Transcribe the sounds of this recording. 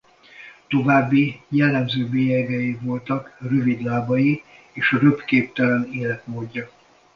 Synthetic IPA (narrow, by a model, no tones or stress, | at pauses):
t̪o̞vaːbːijɛlːɛmzøːbeːjɛɡɛjivo̞lt̪ɒkrøvid̪laːbɒji | eːʃɒrøpkeːp̚t̪ɛlɛneːlɛt̪moːɟːɒ